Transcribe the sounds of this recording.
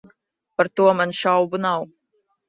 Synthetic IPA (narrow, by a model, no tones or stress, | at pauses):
paɾt̪uɔmanʃawbunaw